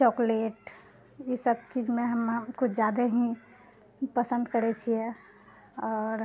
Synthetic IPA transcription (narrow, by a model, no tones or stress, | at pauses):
t͡ʃɔːkleːʈ | jesəb̚t͡ʃiːd͡ʒmẽɦəmkʊt͡ʃʰd͡ʒjaːd̪eɦĩ | pəsə̃nd̪kəɾɛt͡ʃʰie | ɔːɾ